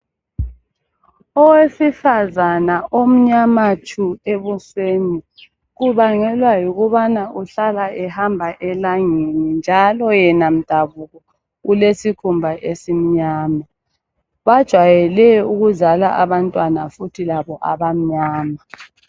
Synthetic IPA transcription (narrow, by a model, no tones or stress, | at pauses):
ɔwesifazanaʔom̩ɲamat͡ʃʰueβusweni | ɣuβaŋɛlwajuɣuβanaʔuɬalaʔɛhambʱaʔɛlaŋenind͡ʒʱalɔjɛnam̩d̥ʱaβuɣɔ | ulesikʰumbʱaʔesim̩ɲaːma | βad̥ʒ̥ʱwajɛlɛuɣuzala̰ʔaβantʼwanafutʰilaβɔʔaβam̩ɲaːma